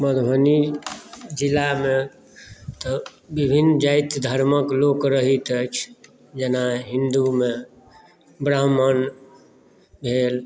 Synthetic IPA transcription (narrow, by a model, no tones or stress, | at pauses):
məd̪ʱɦəni | d͡ʒilːame | t̪ɔ | bibʱind͡ʒajt̪d̪ʱəɾməklokɾəɦit̪ət͡ʃʰ | d͡ʒenaɦĩnd̪ume | bɾəɦmən | bʱel